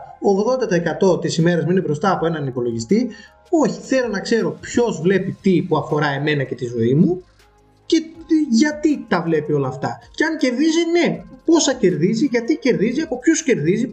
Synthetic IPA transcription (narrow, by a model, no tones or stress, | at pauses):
oːɣðo̞nd̪ɐt̪ɐekɐt̪o̞t̪isime̞ɾɐzmuine̞bɾo̞st̪ɐːpo̞e̞nɐnipo̞lo̞ʝist̪i | o̞çiθe̞lo̞nɐkse̞ɾo̞pço̞zvle̞pit̪ipuɐfo̞ɾɐeme̞nɐce̞t̪izo̞imu | ce̞ʝɐt̪it̪ɐvle̞pio̞lɐːft̪ɐceɐŋce̞ɾðizine̞po̞sɐce̞ɾðiziʝɐt̪ice̞ɾðiziɐpo̞pço̞sce̞ɾðizi